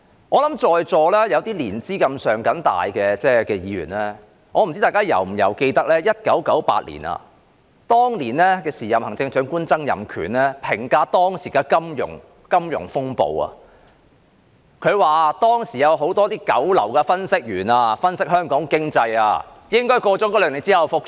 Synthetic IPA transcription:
ŋɔː˨˧lɐ˨˥mt͡ʃɔː˧jt͡sɔː˧lɛː˥jɐ˨˧wt̪iː˥liː˨˩nt͡siː˥kɐ˧msœː˨ŋkɐ˨˥nt̪a̰ː˨jkɛː˧t͡sɛː˥kɛː˧jiː˨˧ɥy̰ː˨˩nlɛː˥ | ŋɔː˨˧m̩˨˩t͡si˥aː˨jkaː˥jɐ̰˨˩wm̩˨˩jɐ̰˨˩wke˧jt̪ɐ˥k̚lɛː˥jɐ˥t̚kɐ˨˥wkɐ˨˥wpa̰ː˧t̚lḭː˨˩nʔɐ̰˧ | t̪ɔː˥ŋliː˨˩nlɛː˥kɛː˧siː˨˩jɐ˨mhɐ˨˩ŋt͡sɪ˧ŋt͡ʃœː˨˥ŋkuː˥nt͡sɐ˥ŋjɐ̰˨˩mkʰy̰ː˨˩nlɛː˥pʰɪ˨˩ŋkaː˧˥t̪ɔː˥ŋsiː˨˩kaː˧kɐ˥mjʊ̰˨˩ŋ | kɐ˥mjʊ̰˨˩ŋfʊ˥ŋpo̰˧wɐ̰ː˨ | kʰɵ˨˧ɥwaː˨t̪ɔː˥ŋsiː˨˩jɐ˨˧wɦo˨˥wt̪ɔː˥t̪iː˥kɐ˨˥wlɐ̰˨˩wkɛː˧fɐ˥nsɪ˥k̚jyː˨˩naː˧fɐ˥nsɪ˥k̚hœː˥ŋkɔː˨˥ŋkɪ˥ŋt͡sɐ˧ja̰ː˧ | jɪ˥ŋkɔː˥jkɔː˧t͡sɔː˨˥kɔː˧˥lœː˨ŋle˨t͡siː˥hɐ˨˧wfʊ˨k̚

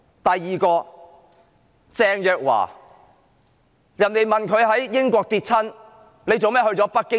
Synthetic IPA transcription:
t̪ɐ˨jːiː˨kɔː˧ | t͡sɛː˧ŋjœː˨k̚wa̰ː˨˩ | jɐ˨˩nle˨˩jmɐ˨nkʰɵ˨˧ɥɦɐ˨˥jːɪ˥ŋkʷɔː˧k̚t̪iː˧t̚t͡sʰɐ˥n | le˨˧jt͡so˨wmɛː˥hɵ˧ɥt͡sɔː˨˥pɐ˥t̚kːɪ˥

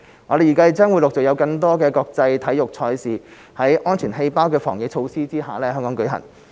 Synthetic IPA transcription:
ŋɔː˨˧ɾe˨ji˨˩kaː˥˨t͡sɐː˥nwuː˨˧lʊ˨k̚t͡sɔ˨˩jɐ˨˧wkɐ˧ŋt̪ɔː˥kɛː˧kɔː˧k̚t͡sɐ˧jt̪ʰɐ˨˥jjʊ˨k̚t͡ʃʰɔː˧jsiː˨ | hɐ˨˥jʔɔː˥nt͡ʃʰyː˨˩nɦe˧jpaː˥wkɛː˧fɔ̰ː˨˩ŋje˨˥t͡ʃʰo˧wsiː˥t͡siː˥ɦaː˨lɛː˥˧hœː˥ŋkɔː˨˥ŋkɵ˨˧ɥɦɐ̰˨˩n

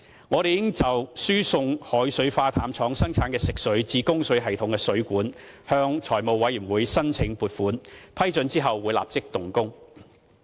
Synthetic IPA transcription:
ŋɔː˨˧t̪e˨jɪ˥ŋt͡sɐ˨wsyː˥sʊ˧ŋhɔː˨˥jsɵ˨˥ɥfaː˧t̪ʰaː˨˥mt͡sʰɔː˨˥ŋsɐ˥ŋt͡sʰaː˨˥nkɛː˧sɪ˨k̚sɵ˨˥ɥt͡siː˧kʊ˥ŋsɵ˨˧˥ɥɦɐ˨jt̪ʰʊ˨˧ŋkɛː˧sɵ˨˥ɥkʷuː˨˥n | hœː˧ŋt͡ʃʰɔː˨˩jmo˨wwɐ˨˥jyː˨˩wuː˨˧jsɐ˥nt͡sʰɪ˨˧ŋpuː˨˩t̚fuː˨˥npʰɐ˥jt͡sɵ˨˧nt͡siː˥ɦɐ˨wːu˨˧jla̰ː˨p̚t͡sɪ˥k̚t̪ʊ˨˩ŋkʊ˥ŋ

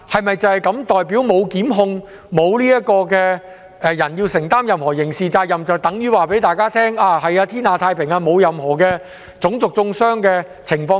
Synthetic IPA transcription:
hɐ˨jmɐ˨jt͡sɐ˨˧hɐ˨jkɐ˨˥mt̪ɔː˨jp̬i˨˥wmo˨˧wkiː˨˥mɦʊ˧ŋ | mo˨˧wliː˥jɐ˥kɔː˧kɛː˧ | ʔɛː˨jɐ˨˩nji˧wsɪ˨˩ŋt̪aː˥mjɐ˨mhɔː˨˩jɪ˨˩ŋsiː˨t͡saː˧k̚jɐ˨mt͡sɐ˨wt̪ɐ˨˥ŋjyː˨˥waː˨˩p̬e˨˥jt̪aː˨jkaː˥t̪ʰɛː˥ŋaː˧hɐ˨jaː˧t̪ʰiː˥naː˨˧t̪ʰaː˧jpʰɪ˨˩ŋaː˧mo˨˧wjɐ˨mɦɔː˨˩kɛː˧ | t͡sʊ˨˥ŋt͡sʊ˨k̚t͡sʊ˧ŋsœː˥ŋkɛː˧ | t͡sʰɪ˨˩ŋfɔː˧

